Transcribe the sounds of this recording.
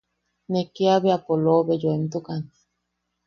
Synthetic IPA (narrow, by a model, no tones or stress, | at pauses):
nekeaβeapoloβejoent̪ukan